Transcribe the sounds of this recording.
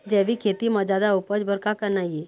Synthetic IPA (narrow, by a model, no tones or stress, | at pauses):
d͡ʒɛʋikʰet̪iməd͡ʒad̪aupəd͡ʒbʱəɾkakəɾnaji